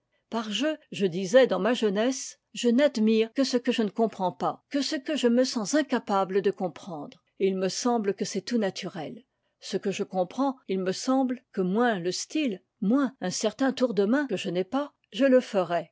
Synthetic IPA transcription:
paʁʒøʒəd̪izɛd̪ɑ̃maʒənɛs | ʒənad̪miʁkəsəkəʒənəkɔ̃pχɑ̃pakəsəkəʒəməsɑ̃zɛ̃kapabləd̪əkɔ̃pχɑ̃d̪ʁ | ilməsɑ̃blkəsɛt̪unat̪ʰyʁɛl | səkəʒəkɔ̃pχɑ̃ilməsɑ̃blkəmwɛ̃ləst̪il | mwɛ̃ɛ̃sɛʁt̪ɛ̃t̪uʁd̪əmɛ̃kəʒənɛpa | ʒələfəʁɛ

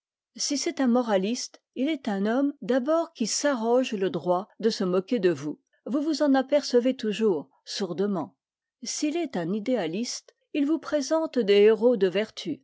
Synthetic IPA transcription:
sisɛt̪ɛ̃mɔʁalist̪ | ilɛt̪ɛ̃nɔmd̪abɔʁkʲisaʁɔʒləd̪ʁwad̪əsəmɔkʲed̪əvu | vuvuzɑ̃napɛʁsəvet̪uʒuːʁ | suʁd̪əmɑ̃ | silɛt̪ɛ̃nid̪ealist̪ | ilvupχezɑ̃t̪d̪eeʁod̪əvɛʁt̪ʰy

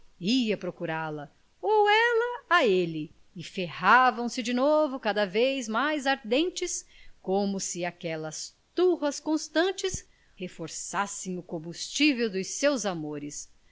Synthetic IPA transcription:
iɐpɾokuɾalɐ | owɛlɐaelɪː | fehavɐ̃w̃sɪd͡ʒɪnovʊkad̪ɐvejzmajzaɾd̪ẽnt͡ʃɪskõmʊsɪakɛlɐst̪uhɐskõst̪ɐ̃nt͡ʃɪs | hefoɾsasẽj̃ʊkõmbust͡ʃivewd̪ʊjsewzamoɾɪs

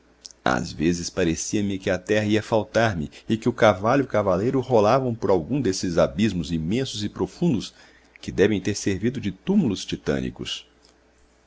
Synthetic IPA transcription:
a̰zvezɪspaɾesiɐmɪkɪat̪ɛɦɐiɐfawt̪aɾmɪɪkɪʊkavaʎʊkavalejɾʊholavɐ̃w̃pʊɾawɡũd̪esɪzabizmʊzimẽsʊzɪpɾofũnd̪ʊs | kɪd̪ɛvẽj̃t̪eɾseɾvid̪ʊd͡ʒɪt̪umulʊst͡ʃit̪ɐ̰̃nḭkʊ̰s

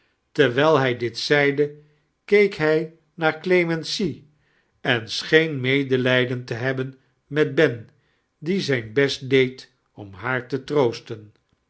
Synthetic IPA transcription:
tɛɹʋɛlˠɦɛjdɪtsɛjdə | kejkɦɛj | naːɹklejmɛnsi | ɛnsχejnmejdəlɛjdəntəɦɛbən | mɛd̚bɛn | dizɛjnbɛst̚dejt | ɔmɦaːɹtətrowstən

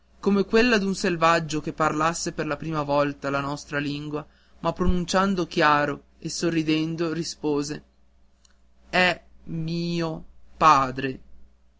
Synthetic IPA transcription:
komekwelːad̪unselvad͡ʒːokepːarlasːeperlapɾiːmavɔlt̪alanɔst̪ɾaliŋɡwa | mapːɾonunt͡ʃand̪okjaːɾo | esorːid̪ɛnd̪oɾispoːze | ɛmiːopaːd̪ɾe

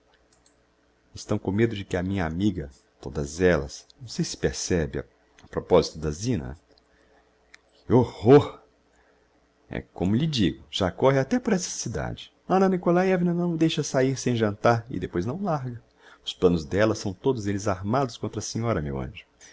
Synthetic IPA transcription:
ɪst̪ɐ̃w̃kõmed̪ʊd͡ʒɪkɪɐmĩɲɐamiɡɐ | t̪od̪ɐzɛlɐ̰snɐ̃w̃sejsɪ̥peɾsɛbɪɐ̰ | ɐpɾopɔzit̪ʊd̪ɐzĩnɐ̰ | ɪohoɾ | ɛ̰kõmʊʎɪd͡ʒiɡʊʒ̥akɔɦɪat̪ɛpʊɾɛsɐ̥sid̪a̰d͡ʒɪ | ɐ̃nɐnikolajɛvinɐnɐ̃w̃d̪ejʃɐsaiɾsẽj̃ʒɐ̃nt̪aɾɪ̰d̪epojznɐ̃w̃laɾɡɐ | ʊsplɐ̃nʊzd̪ɛlɐsɐ̃w̃t̪od̪ʊzelɪzaɾmad̪ʊskõnt̪ɾɐsĩɲɔɾɐmḛwɐ̰̃ʒʊ

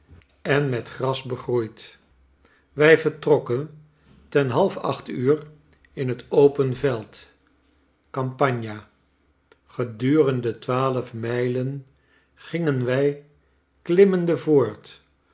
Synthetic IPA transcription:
ɛnmɛtχrɑsbəχrujt | ʋɛjvəɹtrɔkən | tɛnɦɑlˠfɑ̰χtyːr | ɪnɦətowpənvɛlˠt | kɑmpɑɲja | χədyːrəndətʋaːləfmɛjlən | χɪŋənʋɛj | klɪməndəvʊːɹt

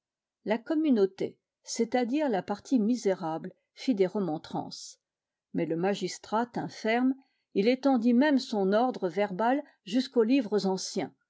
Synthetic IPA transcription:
lakɔmynot̪ḛ | set̪ad̪iʁlapaʁt̪ʰimizeʁabl | fid̪eʁəmɔ̃t̪χɑ̰̃ːs | mɛləmaʒist̪χat̪ɛ̰̃fɛʁm | ilet̪ɑ̃d̪imɛmsɔ̃nɔʁd̪ʁəvɛʁbal | ʒyskolivʁəzɑ̃sjɛ̃

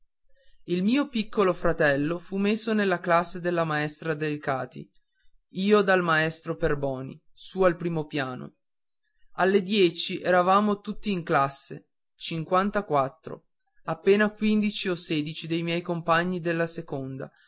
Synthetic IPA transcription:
ilmiːopikːolofɾat̪ɛlːofumːesːonelːaklasːed̪elːamaɛst̪ɾad̪elkaːt̪ḭ | iːod̪almaɛst̪ɾoperbɔːnḭ | sualpɾiːmopjaːno̰ | alːed̪jɛːt͡ʃiʔɛːɾavaːmot̪ut̪ːiːŋklasːḛ | t͡ʃiŋkwant̪akwat̪ːɾo̰ | apːeːnakwind̪it͡ʃioseːd̪it͡ʃid̪ejmjɛjkompaɲːid̪elːasekond̪a̰

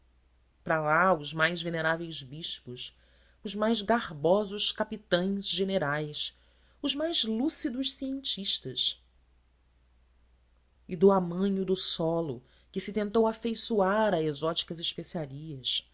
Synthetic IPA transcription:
pɾalaʊzmajzveneɾavejzbiʃpʊs | ʊzmajzɡaʁbɔzʊʃkapit̪ɐ̃j̃zʒeneɾajs | ʊzmajzlusid̪ʊʃsiẽnt͡ʃiʃt̪ɐs | ɪd̪ʊamɐ̃ɲʊd̪ʊsɔlʊ | kɪsɪt̪ẽnt̪owafejsuaɾɐezɔt͡ʃi̥kɐzɪʃpesiaɾiɐs

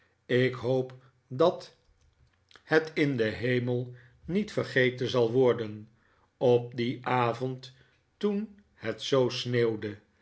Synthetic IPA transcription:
ɪkɦowp | dɑt | hətɪndəɦejməlˠ | nitfəχejtənzɑlˠʋɔɹdən | ɔp̚diʔaːvɔnt | tun | hətsowsneːwdə

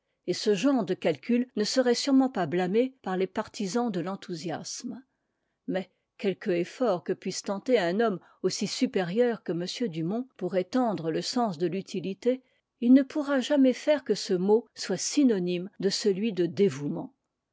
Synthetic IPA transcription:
esəʒɑ̃ʁd̪əkalkʲylnəsəʁɛsyʁmɑ̃pablamepaʁlepaʁt̪izɑ̃d̪əlɑ̃t̪ʰuzja̰sm | mɛ | kʲɛlkəefɔʁkəpɥist̪ɑ̃t̪eɛ̃nɔm | osisypeʁjœʁkəməsjød̪ymɔ̃puʁɛt̪ɑ̃d̪ʁələsɑ̃sd̪əlyt̪ʰilit̪e | ilnəpuʁaʒamɛfɛʁkəsəmoswasinɔnimd̪əsəlɥid̪əd̪evumɑ̰̃

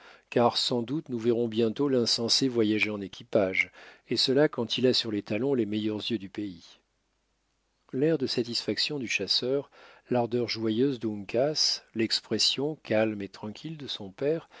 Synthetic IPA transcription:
kaʁsɑ̃d̪ut̪nuvɛʁɔ̃bjɛ̃t̪olɛ̃sɑ̃sevwajaʒeɑ̃nekʲʰipaʒesəlakɑ̃t̪ʰilasyʁlɛt̪alɔ̃lemɛjœʁzjød̪ypei | lɛʁd̪əsat̪isfaksjɔ̃d̪yʃasœʁlaʁd̪œʁʒwajøzd̪əũŋkaslɛkspχɛsjɔ̃kalmet̪χɑ̃kʲʰild̪əsɔ̃pɛʁ

